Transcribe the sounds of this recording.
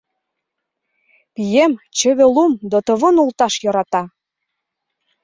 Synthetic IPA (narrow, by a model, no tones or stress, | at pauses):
pijemt͡ɕə̆βelumd̪ot̪ɤ̆βɤ̆nult̪ɑʃjɤɾɑt̪ɑ